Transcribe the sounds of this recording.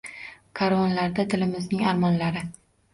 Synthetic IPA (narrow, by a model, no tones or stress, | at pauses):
kʰaɾɒnlaɾd̪at̪ʰɪlɪmɪznɪŋaɾmɒnlaɾɪ